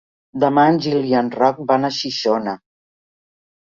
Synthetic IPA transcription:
d̪əmanʲʒilianrɔk̚banəʃiʃonə

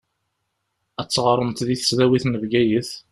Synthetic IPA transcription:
æt͡sːʁɑɾˤəmt̪ðiθə̥sðæwiθnəvɡæjəθ

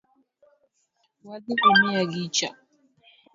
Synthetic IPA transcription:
wadikɔmijaɡit͡ʃa

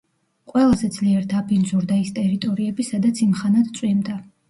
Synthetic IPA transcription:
qʼwɛlˠazɛd̪zliɛɾd̪apʰinzuɾd̪aist̪ʼɛɾit̪ʼɔɾiɛbisad̪at̪sʰimχanat̪t̪sʼwimd̪a

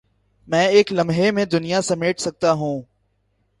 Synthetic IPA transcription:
mɛ̃ːeːklɐ̃mɦemẽd̪ʊnijasɐmeːʈʰsɐɡ̚t̪aɦũː

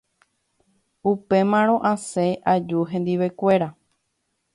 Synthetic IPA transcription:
upe̞mãɾ̃õ̞ʔãseʔad͡ʒuɦẽ̞nd̪iʋe̞kʷe̞ɾa

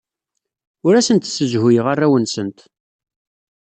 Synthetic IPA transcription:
ʊɾæsənt̪səʒhʊjəʁarːæwənsənt̪

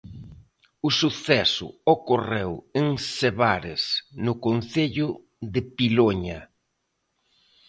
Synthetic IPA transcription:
ʊsuθɛsʊ̰okoreweŋseβaɾɪsnʊkon̟θeʎʊ | ðɪpiloɲɐ

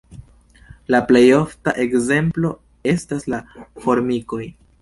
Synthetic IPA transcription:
laple̞jo̞ftaʔe̞kze̞mplo̞ | e̞staslafo̞ɾmiko̞j

